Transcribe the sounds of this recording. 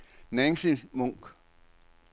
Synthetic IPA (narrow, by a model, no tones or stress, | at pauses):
nɛŋsimoŋk